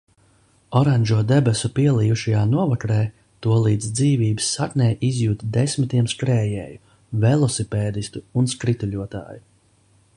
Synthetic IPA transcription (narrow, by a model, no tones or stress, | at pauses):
ɔɾanʲʒuɔd̪ɛbɛsupiɛlˠijuʃajaːnuɔvakɾɛː | t̪uɔlˠiːd̪zd̪ziːviːbɨsːaknʲɛːjʔizjuːt̪d̪esmit̪iɛmskɾɛːjɛ̰ːju | vɛlˠɔsipɛːd̪ist̪uːnskɾit̪uʎʲuɔt̪a̰ːju